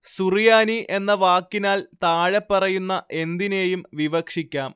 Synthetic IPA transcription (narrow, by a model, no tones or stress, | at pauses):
surijaːniʔe̞nːɐʋaːkːinaːlt̪aːɻɐpːɐrɐjunːɐʔe̞nd̪ine̞ːjumʋiʋɐkʂikʲːaːm